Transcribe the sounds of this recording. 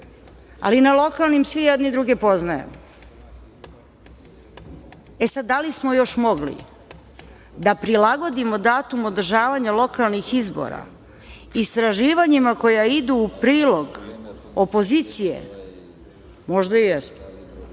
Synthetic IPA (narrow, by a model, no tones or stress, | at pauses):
a̰linalˠo̞kalˠnimsʋijɛd̪nid̪ɾuɡepo̞znajḛmo | e̞sad̪ːalismo̞jo̞ʃmo̞ɡlḭ | d̪apɾilaɡo̞d̪imo̞d̪aːt̪umo̞d̪r̩ʒaːʋaɲalˠo̞kalˠnixizbo̰ɾa̰ | ist̪ɾaʒiːʋaɲimako̞jaid̪uːpɾiːlˠo̞ɡ | opo̞ziːt̪sijḛ | mo̞ʒd̪aijɛsmo